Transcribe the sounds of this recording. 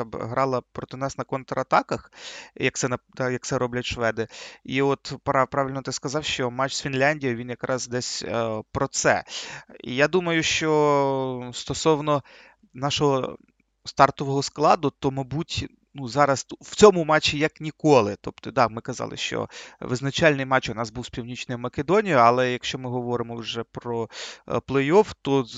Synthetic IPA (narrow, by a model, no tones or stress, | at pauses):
bɦɾɑlˠɐpɾɔt̪ɪnɑsnɐkɔnt̪ɾɐɐt̪ɑkɐxjɐk̚t̪sɛnɐd̪ɑjɐk̚t̪sɛɾɔblʲɐtʲʃʋɛd̪ɪiɔt̪pɾɑpɾɑʋʲɪlʲnɔt̪ɪskɐzɑwʃt͡ʃɔmɑt͡ʃsfʲinlʲanʲdʲijɐʋʲinjɐkɾʔɑzd̪ɛsʲpɾɔt̪sɛ̰ḭjad̪umɐjʊʃt͡ʃɔ | st̪ɔsɔwnɔ | nɑʃɔɦɔ̰ | st̪ɑrt̪ɔʋɔɦɔsklˠɑd̪ʊt̪ɔmɐjbutʲ | nuzɑɾɐswt͡sʲɔmʊmɑt͡ʃːijɐknʲikɔlˠɪt̪ɔp̚t̪ɔd̪ɑmɪkɐzɑ̰lˠɪ̰ʃt͡ʃɔ̰ʋɪznɐt͡ʃalʲnɪjmɑt͡ʃʊnɑzbuwspʲiwnʲit͡ʃnɪjmɐkʲed̪ɔnʲijʊɐlˠɛjɐkʃt͡ʃɔmɪɦɔʋɔɾɪmɔwʒɛpɾɔplˠɛjɔwt̪ɔ